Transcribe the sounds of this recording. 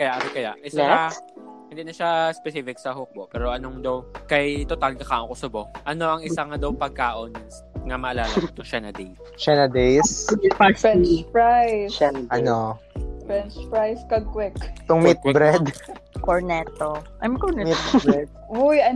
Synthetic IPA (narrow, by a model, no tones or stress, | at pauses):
kɐjaʔɐnokɐjaʔʔɪsjaahɪ̃nd̪iːnɐʃaspɛsiːfɪksɐhok̚boʔpɛːɾoʔɐnoŋd̪ɐwkɐjt̪ot̪ald̪ɐkaːʔonkosɐboʔɐno̞ʔɐŋɪssaŋad̪ɐwpɐɡ̚kaːʔon | ŋɐmɐʔɐlaːlɐdit̪oʃanɐd̪ej | ʃanɐd̪ejsafɛnpɹajsʔɐno | fɹɛnt͡ʃpɹajskɐɡ̚kwɪkt̪ʊŋmɪt̪̚bɾɛd̪koɹnɛt̪oʔɐjmkoɹnɛɪt̪bɛd̪̚wujɐ